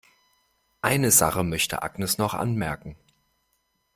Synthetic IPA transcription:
ʔaɪnəza̰χəmœçtə̰ʔa̰ɡnəsnɔχʔa̰nmɛɐkŋ̩

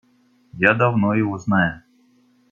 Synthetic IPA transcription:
jad̪ɐvnojɪvoznajʊ

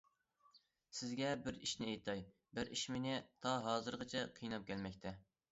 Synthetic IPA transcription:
sɪzɡʲɛbɪɾiʃnɪejt̪ʰɑj | bɪɾiʃmɪnɪt̪ʰɑɦɑːzɨɾʁət͡ʃʰɛqʰijnɑp̚kʲʰɛlmɛkʲt̪ʰɛ

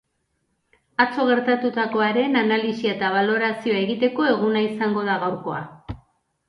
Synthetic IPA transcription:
at͡so̞ɣ̞e̞ɾt̪at̪ut̪ako̞aɾe̞nanalisiaet̪aβ̞alo̞ɾasio̞ae̞ɣit̪e̞ko̞e̞ɣ̞unaisaŋɡo̞ð̞aɣawɾko̞a̰

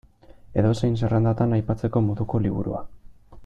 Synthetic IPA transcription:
e̞ðo̞sejns̬e̞rand̪at̪anajpat͡se̞ko̞mo̞ðuko̞liβ̞ṵɾṵa

